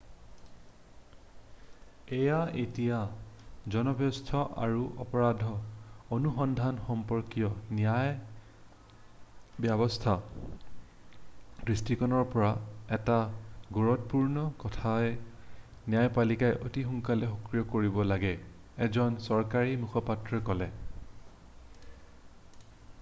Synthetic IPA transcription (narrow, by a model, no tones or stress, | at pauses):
ɛjaetijazɔnɔbʱjɔstʰɔʔa̰ɹuʔɔ̰pɔɹadʱɔonuxɔndʱanxɔmpɔɹkijɔnijaj | bjabɔstʰa | kɹistikɔnɔɹpɔɹaɛtaɡoɹɔt̚puɹnɔkɔtʰaj | nijajpalikajʔo̰tixuŋkalɛxɔkɹijɔkoɹibɔlaɡɛ | ɛzɔnsɔɹkaɹimukʰɔpatɹɔkɔlɛ